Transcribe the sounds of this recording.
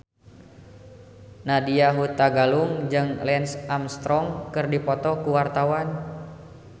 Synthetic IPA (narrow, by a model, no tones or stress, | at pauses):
nadiaɦut̪aɡaluŋd͡ʒɨŋlɛnsamst̪ɾɔŋkɨrdipɔt̪ɔkuwart̪awan